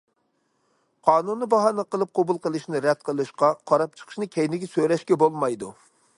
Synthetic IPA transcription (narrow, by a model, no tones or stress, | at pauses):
qʰɑːnunːɨbɑɦɑnɨqəlˠɨp̚qʰobulˠqəlˠɨʃnɨɾɛd̪̚qʰəlˠɨʃqɑqʰɑɾɑp̚t͡ʃʰə̥qʰə̥ʃnɨkʲʰɛjnɪɡʲɛsøɾɛʃkʲɛbolˠmɑjd̪u